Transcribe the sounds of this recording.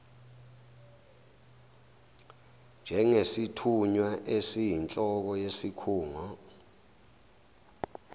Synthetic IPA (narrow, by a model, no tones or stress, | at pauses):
nd͡ʒʱɛŋesitʰuɲwaʔesijint͡ɬʼɔk̬ɔjesikʰuːŋɔ